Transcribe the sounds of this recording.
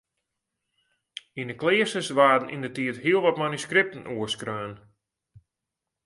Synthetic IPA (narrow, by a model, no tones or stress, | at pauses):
inəklɪːəsəsʋaːdn̩ʔḭndətiətɦiəlˠʋɔtmanyskrɪp̚tənʔuəskrøːn